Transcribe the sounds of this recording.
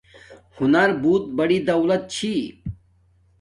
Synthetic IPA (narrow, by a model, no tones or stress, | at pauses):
hʊnɐɾbuːt̪̚bɐɽid̪ɐwlɐt̪̚t͡ɕʰi